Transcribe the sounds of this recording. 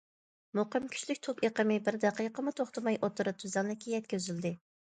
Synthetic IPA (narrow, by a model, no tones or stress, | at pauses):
moqəmkʲʰy̥ʃlykʲt̪ʰokeqəmɪbɪɾd̪ɑqəjqʰəmɨt̪ʰoχt̪ɨmɑjʔot̪ʰuɾɨt̪ʰyzɑŋd̪ɪkʲijɛt̪̚kʲøzyld̪ɪ